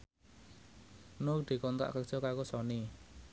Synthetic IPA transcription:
nok̚d̪̥i̤kɔnt̪a̰ʔkə̥ʒ̥ɔkakosɔni

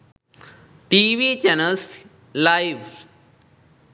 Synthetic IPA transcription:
ʈiʋit͡ɕɛnəls | lajʋ

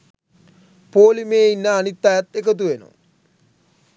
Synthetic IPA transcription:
poːlimeːinːəːnit̪ːajat̪ekət̪̬uʋeno̰

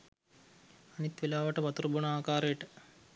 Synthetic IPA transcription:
anit̪ʋelaːʋəʈəʋɐt̪uɾbunaːkaːɾəjəʈə

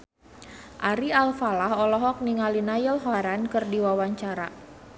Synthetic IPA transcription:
ʔaɾialfalaɦɔlɔɦɔk̚niŋalinajəlɦɔaɾankərdiwawaɲt͡ʃaɾa

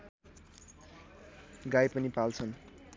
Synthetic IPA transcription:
ɡajpʌnipalt͡sʰʌn

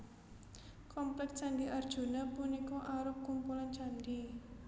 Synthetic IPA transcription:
kɔmplɛkt͡ʃandiʔard̥ʒ̥ṳnapunikɔʔaɾʊp̚kumpulant͡ʃandi

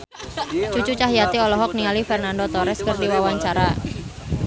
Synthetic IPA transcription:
t͡ʃut͡ʃut͡ʃaɦijat̪iɔlɔɦɔk̚niŋalifɛrnandot̪ɔɾɛskərdiwawaɲt͡ʃaɾa

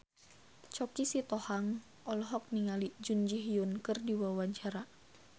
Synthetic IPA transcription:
t͡ʃɔkisit̪ɔhaŋ | ʔɔlɔɦɔk̚niŋalid͡ʒund͡ʒiɦijunkɨrdiwawaɲt͡ʃaɾa

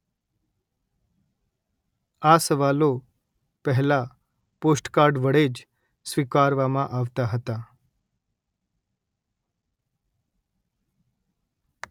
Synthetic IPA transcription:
asəʋalo | pəɦla | posʈkaɾɖʋəɽed͡ʒ | sʋikaɾʋamãʔaʋt̪aɦət̪a

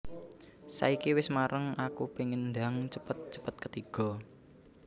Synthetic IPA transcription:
sa̰ikiwɪsmaɾəŋakupeŋənd̪a̤ŋt͡ʃəpət̪̚t͡ʃə̥pət̪̚kət̪iɡ̥ɔ̤

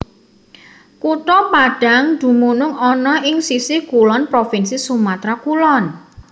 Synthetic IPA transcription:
kuʈɔpaɖ̥a̤ŋd̪̥ṳmunʊŋɔnɔɪŋsisɪkulɔnpɾofinsisumat̪ɾakulɔn

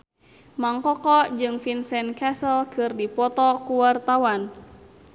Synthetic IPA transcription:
maŋkɔkɔd͡ʒɨŋfinsɛnkɛsəlkɨrdipɔt̪ɔkuwart̪awan

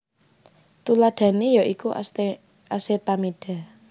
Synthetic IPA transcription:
t̪ulaɖ̥ä̤nejɔʔiku | ʔaset̪amiɖ̥a̤

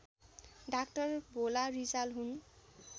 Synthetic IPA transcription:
ɖakʈʌrbolarit͡salɦun

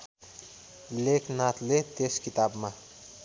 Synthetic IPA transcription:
leknat̪let̪eskit̪abma

